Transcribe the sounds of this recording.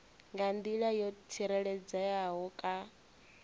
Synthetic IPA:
ŋɡand̪iɺajɔtʰiɾɛɺɛd͡zajaɦɔkʼa

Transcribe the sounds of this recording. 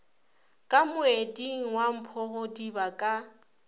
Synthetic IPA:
kʼamʊediŋ̩wam̩pʰɔɣʊdibakʼa

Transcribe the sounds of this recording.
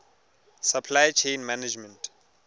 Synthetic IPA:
sapʰlajt͡ʃʰẽjnmanad͡ʒmɛ̃nt

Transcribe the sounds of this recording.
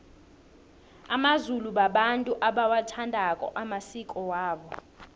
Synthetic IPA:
amazuluɓaɓantʼuʔaɓawatʰandʱakʼɔ̰ʔamasikʼɔwaːɓɔ

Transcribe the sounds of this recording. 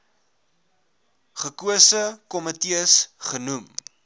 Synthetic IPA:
χəkuəsəkɔmətiəsχənum

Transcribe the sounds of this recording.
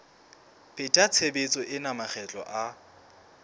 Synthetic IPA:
pʼɪtʼat͡sʰebet͡sʼɔʔɪnamaχʰɛt͡ɬʼɔ̰ʔa

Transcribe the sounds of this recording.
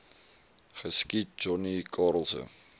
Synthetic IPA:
χəskid͡ʒɔnikʰɑɾəlˠsə̰n

